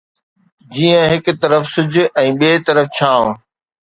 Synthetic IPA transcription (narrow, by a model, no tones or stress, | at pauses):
d͡ʑiːə̃ɦɪkt̪ɐɾəfsʊd͡ʑ̆ʱʔɛ̃ːɓeːt̪ɐɾəft͡ɕʰaːʋ̃